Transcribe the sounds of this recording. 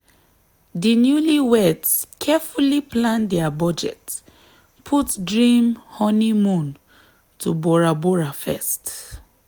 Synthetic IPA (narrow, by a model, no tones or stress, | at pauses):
dinjuliwɛdskʰɛfuliplãndɛabɔd͡ʒɛ̰t | pʰutdɹĩmhɔnimũn | tʰubɔɹabɔɹafɛ̰st